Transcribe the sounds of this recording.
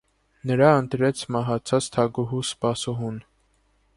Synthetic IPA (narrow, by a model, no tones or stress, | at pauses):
nəɾɑənt̪ɾɛt͡sʰmɑɦɑt͡sʰɑt͡st̪ʰɑɡuɦuspɑsuɦun